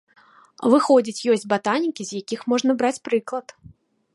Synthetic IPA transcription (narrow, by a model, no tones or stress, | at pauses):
vɨxɔd͡zʲit͡sʲjɔsʲbat̪anʲikʲizʲjakʲixmɔʐnɐbɾat͡sʲpɾɨklˠɐt̪